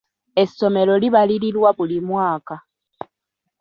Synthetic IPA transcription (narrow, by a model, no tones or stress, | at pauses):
e̞so̞me̞lo̞liβaliɾiɾwaβulimwaːka